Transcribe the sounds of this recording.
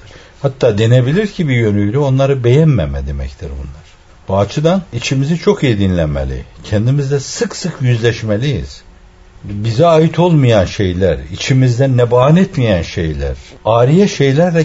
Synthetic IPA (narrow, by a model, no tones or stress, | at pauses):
hat̪ʰːaːd̪enebilʲiɾcʰibijø̞nyjlʲyo̞nlˠaɾɯbe̞jɛnmɛmɛd̪emɛ̰ct̪ʰiɾbṵnlˠaɾ̥ | b̥uat͡ʃʰɯd̪anit͡ʃʰimizit͡ʃʰo̞kijid̪inlʲænmḛlʲḭcʰɛnd̪imizd̪ɛsɯksɯkʰjyzlʲɛʃmelʲijḭz̥ | bizɛajit̪ʰo̞lˠmujanʃe̞jlʲæɾit͡ʃʰimizd̪ɛnːɛbaanɛt̪mijænʃe̞̰jlʲæ̰ɾaːɾijɛʃe̞jlʲæɾd̪ɛ